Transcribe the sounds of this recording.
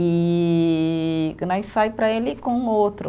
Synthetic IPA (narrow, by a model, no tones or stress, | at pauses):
i | knajsajpɾɐelɪkõowt̪ɾʊ